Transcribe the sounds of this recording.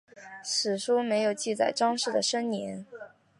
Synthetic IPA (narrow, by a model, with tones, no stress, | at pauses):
ʂɻ̩˨˩ʂu˥me˧˥ɪjo˨˩ʊt͡ɕi˥˧t͡sa˥˩ɪʈ͡ʂɑ˥ŋʂɻ̩˥˩d̪ə˩ʂə˥nnjɛ˧˥n